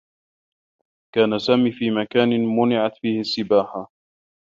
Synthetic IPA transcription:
kaːnasaːmiːfiːmakaːnɪmʊnɪʕat̪fiːhɪsːɪbaːħa

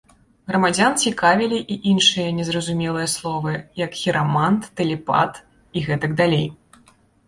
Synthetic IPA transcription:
ɣɾɐmad͡zʲant͡sʲikavʲilʲiʔiʔinʂɨjɐnʲɛzrɐzumʲɛlˠɨjɐslˠɔvɨjɐkxʲiɾamant̪ːɨlʲɛpa̰t̪ | iɣɛt̪ɐɡd̪alʲej

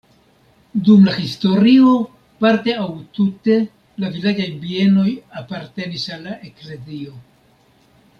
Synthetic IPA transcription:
dumlahisto̞ɾio̞ | paɾte̞awtute̞ | lavilad͡ʒajbie̞no̞japaɾte̞nisalːaʔekle̞zio̞

